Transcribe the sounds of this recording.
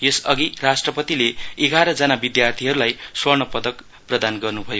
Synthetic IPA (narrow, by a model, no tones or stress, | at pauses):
jesʌɡirasʈrʌpʌt̪ileeɡaɾʌd͡zʌnabid̪jart̪ʰiɦʌɾulajswʌrnʌpʌd̪ʌk | prʌd̪anɡʌrnubʱʌjo